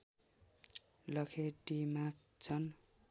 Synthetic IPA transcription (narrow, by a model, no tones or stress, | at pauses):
lʌkʰeʈima | t͡sʰʌn